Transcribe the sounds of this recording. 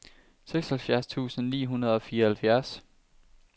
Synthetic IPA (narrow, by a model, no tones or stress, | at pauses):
seɡ̥shælfjæɐst͡sʰṵːsn̩nḭːɦunɐð̞ˠɒ̽fiːɐhælfjæɐs